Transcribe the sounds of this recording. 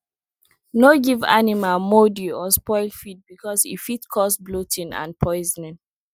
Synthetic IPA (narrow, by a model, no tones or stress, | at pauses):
noɡiva̰nimalmodiɔspɔɪldfit̚bikɔsḭfitkʰɔsblotʰĩnã̰npʰɔɪznĩn